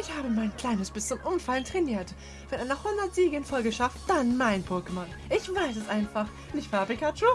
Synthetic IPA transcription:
ʔɪçhaːbəmaɪnkl̥aɪnəsb̥ɪst͡sʊmʔʊmfaləntʁ̥ɛniːɐt | vɛnʔaɪnɐhʊndɐtz̥iːʁɡəənfɔlɡəʃaft̚d̥anmaɪnpʰʊɐkəman | ʔɪçv̥aɪs̬ɛsʔaɪnfaχ | nɪçtfɛbɪkat͡ʃu

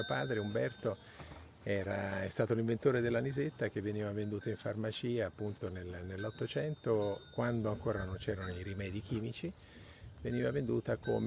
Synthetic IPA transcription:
opaːd̪ɾeumbɛrt̪o | ɛːɾaɛst̪aːt̪oliɱvent̪oːɾed̪elːanizet̪ːak̟evːeniːvavend̪uːt̪aiɱfarmat͡ʃiːaːpːunt̪onelnelːɔt̪ːot͡ʃɛnt̪okwand̪oaŋkoːɾanont͡ʃɛːɾanoiɾimɛːd̪ik̟iːmit͡ʃi | veniːvavend̪uːt̪akʰo̰m

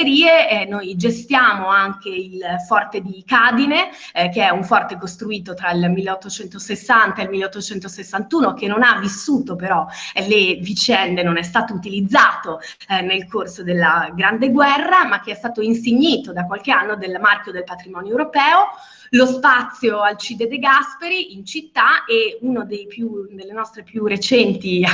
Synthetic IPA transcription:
eɾiːenojd͡ʒest̪jaːmoaŋkeilfɔrt̪ed̪ikaːd̪ine | keɛuɱfɔrt̪ekost̪ɾuiːt̪ot̪ɾailmilːeɔt̪ːot͡ʃɛnt̪osesːant̪aelmilːeɔt̪ːot͡ʃɛnt̪osesːant̪uːnok̟enonavːisːuːt̪opeɾɔlevit͡ʃɛnd̪enonɛst̪aːt̪out̪ilid̪zːaːt̪o | nelkʰorsod̪elːaɡɾand̪eɡwɛrːamak̟ːeɛst̪aːt̪oinseɲːiːt̪od̪akwalk̟eanːod̪elmarkjod̪elpat̪ɾimɔːnjoewɾopɛːo | lospat̪sːjoalt͡ʃid̪ed̪eɡaspeɾiint͡ʃit̪ːaeunod̪ejpjud̪elːenɔst̪ɾepjuret͡ʃɛnt̪i

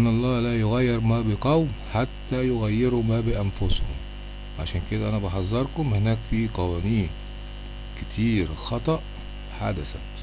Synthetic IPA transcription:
ʔnːʔɑlˤːɑːlæːjoɣæjːeɾmæːbɪqɑwħat̪ːæjoɣæjːeɾumæːbɪʔænfoshʊ̰m | ʕa̰ʃæːnked̪æʔænæbɑħɑzˤːɑɾˤkomhenæːkfiːqɑwæːniːn | kɪt̪ʰiːɾxɑt̪ˤɑʔ | ħa̰d̪æsæ̰t̪

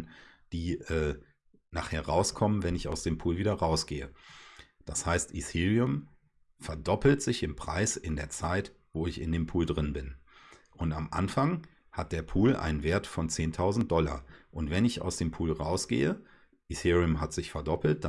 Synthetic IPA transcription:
d̥iːʔɛː | naːχheːɐʁaʊskʰɔmənvɛnɪça̰ʊsd̥eːmpʰuːlviːdɐʁaʊsɡ̥eːə | d̥ashaɪstʔiθiʁiʊm | fɛɐdɔpl̩tz̥ɪçɪmpʁ̥a̰ɪsɪndeːɐt͡saɪtv̥oːɪçɪ̰ndeːmpʰuːldʁɪnbɪn | ʔʊntamʔa̰nfaŋ | hat̚d̥eːɐpʰuːlʔa̰ɪnənveːɐtfɔnt͡seːntʰaʊzn̩t̚d̥ɔlɐ̰ʔʊntv̥ɛnɪça̰ʊsd̥eːmpʰuːlʁaʊsɡ̥ḛːə | ʔiθiːʁiʊmɦatz̥ɪçfɛɐdɔpl̩t̚d̥a

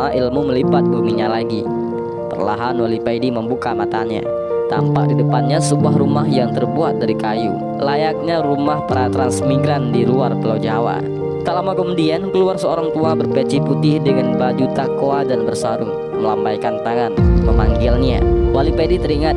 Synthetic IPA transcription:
aʔilmuməlibat̪̚ɡumiɲalaɡi | pə̰rla̰ɦanwalipaidiməmbukamat̪a̰ɲa̰ | t̪a̰mpak̚didəpanɲasəbuaɦɾumaɦjaŋt̪ərbuat̪̚daɾikajṵ | lajak̚ɲaɾumahpaɾat̪ɾansmiɡɾandiluarpəlawd͡ʒawa̰ | t̪alamakomudiɛnkəluarsəoɾaŋt̪uabərpɛt͡ʃihput̪ɪhdəŋanbad͡ʒut̪akoadanbərsaɾuŋ | məlampajkant̪aŋanməmaŋɡɪlna̰walipaidit̪əɾiŋat̪̚

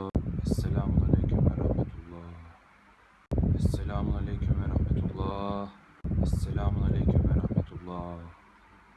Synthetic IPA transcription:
ɛsːelʲaːmunˠalʲejcʰymvɛ̰ɾa̰hmet̪ʰulˠːɑː | ɛsːelʲaːmunˠalʲejcʰymvɛɾahmet̪ʰulˠːɑː | ɛsːelʲaːmunˠalʲejcʰymvɛɾahmet̪ʰulˠːɑː

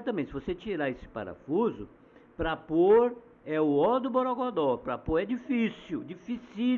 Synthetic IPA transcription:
t̪ɐ̃mẽt̪sɪvoset͡ʃiɾaesɪ̥pa̰ɾa̰fuzʊ̰ | pɾɐpoɾ | ɛʊɔɾd̪ʊboɾoɡod̪ɔɾpɾɐpoɾɛd͡ʒifisʊd͡ʒifisi

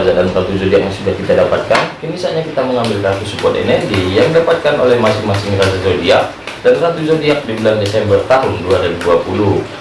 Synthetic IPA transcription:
zaʔdanrat̪uzodiak̚jaŋsudahkit̪adapat̪̚kanənisalɲakit̪aməŋambɪlkakusubɔt̪ḛnɛrɡijaŋidapat̪̚kanolɛhmasɪŋmasɪŋrazaʔzodia | danrat̪uzodiak̚dibulandesɛmbərt̪aɦʊnduaɾibuduapulu

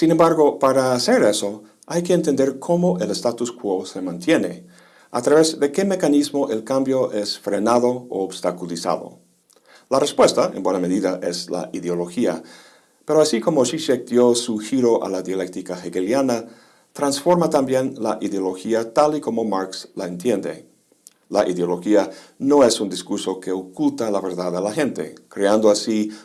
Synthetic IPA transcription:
sine̞mbaɾɣopaɾaːse̞ɾe̞so | ajkeːnt̪e̞nd̪e̞ɾkʰo̞moʔelest̪at̪uskwose̞mãnt̪je̞ne̞ | a̰t̪ɾaβe̞zðe̞ke̞me̞kanizmoʔe̞lkambjoʔe̞sfɾe̞naðoo̰obst̪akulisa̰ðo̰ | larespwe̞st̪aenbwename̞ðiðaʔesla̰ʔiðeolo̞xia̰ | pe̞ɾoasiko̞moʃiʃek̚d̪josuxiɾo̞ʔa̰laðjale̞k̚t̪ikaxeɣeljana | t̪ɾansfo̞ɾmat̪ambje̞nlaʔiðeolo̞xiat̪aliko̞mo̞maɾkslae̞nt̪je̞nd̪e̞̰ | laʔiðeolo̞xia | no̞e̞sund̪iskuɾso̞ke̞okult̪alaβe̞ɾðaðalaxe̞nt̪e̞̰kɾeand̪oasi

